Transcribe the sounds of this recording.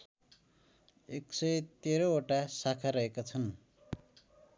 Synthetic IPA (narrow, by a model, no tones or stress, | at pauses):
eksʌjt̪eɾooʈasakʰaɾʌɦekat͡sʰʌn